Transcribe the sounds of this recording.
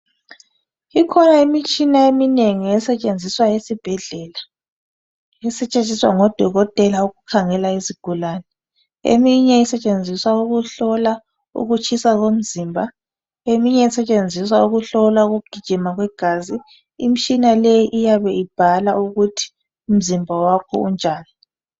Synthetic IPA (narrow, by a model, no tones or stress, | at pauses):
ikʰɔnaimit͡ʃʼinaemineŋiɛsɛt͡ʃʼend͡zʱiswajesib̥ʱɛɮɛla | ɛsɛt͡ʃʼet͡ʃʼiswa̰ŋɔd̥ʱɔɣɔtʼɛlauɣukʰaŋɛlaiziɡ̥ʱulanɛ | ḛmiɲɛisɛt͡ʃʼend͡zʱiswauɣuɬɔla | ṵɣut͡ʃʰisaɣom̩ziːmbʱa | emiɲɛisɛt͡ʃʼend͡zʱiswauɣuɬɔlwauɣuɡ̥ʱid̥ʒ̥ʱimaɣwɛɡ̥ʱaːzi | im̩t͡ʃʼinalɛjiʔijaβɛib̥ʱalauɣutʰi̥ | um̩zimbʱawakʰɔ̰ṵnd͡ʒʱaːni